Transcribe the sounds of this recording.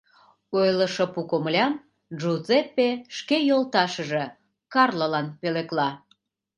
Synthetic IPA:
ojləʃopukomlʲɑm | ʒuzepːeʃkejolt̪ɑʃə̆ʒe̽ | kɑrlolɑnpeleklɑ

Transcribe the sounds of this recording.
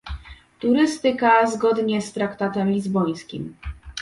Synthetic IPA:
t̪uɾɘst̪ɘkazɡɔd̪ɲɛst̪ɾakt̪at̪ɛmlʲizbɔj̃skʲḭm

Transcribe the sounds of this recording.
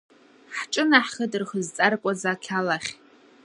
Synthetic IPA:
ħʈ͡ʂʼɨnaħχədɨrχəzt͡sʼarkʷʼazakʲʰalaχʲ

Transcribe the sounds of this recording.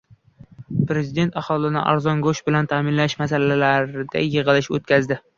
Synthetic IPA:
pɾe̞zɪd̪e̞nt̪aχɒlˠɪnɪ̰ʔa̰ɾzɒnɡoʃbɪlant̪ʰaːmɪnlaʃmasalalaɾd̪a̰jɨʁɨlɪʃo̰t̪̚kʲʰazd̪ɪ

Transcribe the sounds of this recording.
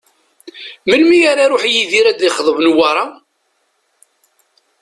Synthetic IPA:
məlmijaɾaɾʊħjiðiɾæd̪iχəðˤəvnwɑɾˤɑ

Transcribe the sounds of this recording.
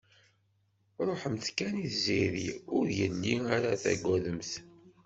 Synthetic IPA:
ɾˤoħəmθkæniθziɾḭʊɾjənːiaɾaθæ̰ɡʷːæðəmθ

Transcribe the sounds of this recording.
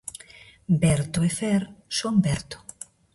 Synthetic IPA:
bɛɾt̪oefɛɾsombɛɾt̪o̥

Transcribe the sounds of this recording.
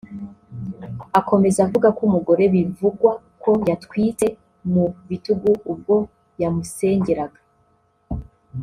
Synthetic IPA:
akʰo̞me̞zavuɡakumuɡo̞ɾe̞βivuɡwa | ko̞jatkwiːte̞ | muβituɡuub̚ɡo̞ | jamuse̞ːɲɟeɾaɡa

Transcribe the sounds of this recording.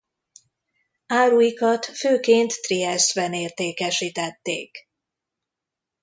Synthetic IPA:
aːɾujikɒt̪føːkeːnt̪ːriɛst̪bɛneːrt̪eːkɛʃit̪ɛt̪ːḛːk

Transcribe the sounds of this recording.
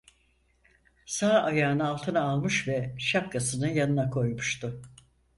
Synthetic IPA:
saːajaːnɯalˠt̪ʰɯnaːlˠmɯʃvɛʃap̚kʰasɯnɯjanɯnakʰo̞jmuʃt̪ʊ

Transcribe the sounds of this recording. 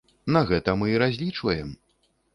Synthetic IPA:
naɣɛt̪ɐmɨɾazʲlʲit͡ʂvɐjɛm

